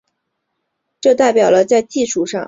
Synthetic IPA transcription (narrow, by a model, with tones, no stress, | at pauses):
ʈ͡ʂɤ˥˧t̪a˥˩ɪpjɑ˨˩ʊlə˦t͡sa˥˧ɪt͡ɕi˥˧ʂu˥˩ʂɑ˥˩ŋ